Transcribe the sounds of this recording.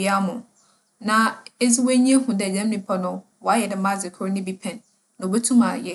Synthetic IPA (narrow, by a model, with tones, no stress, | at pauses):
i˦a˦mʊ̃˨ | nã˨e˦d͡zi˦we˦ɲ̃˦ɛ̃˦hũ˨dɛ˨d͡ʑã˦m˦nĩ˨pʰa˦nʊ̃˦ | wɔ˨˦a˦jɛ˨dɪ˨mã˦d͡zɪ˨kʰʊ˦ɾnɪ̃˦bi˦pʰɛ̃˨n | nã˨be˦tʰũ˦mã˨jɛ˦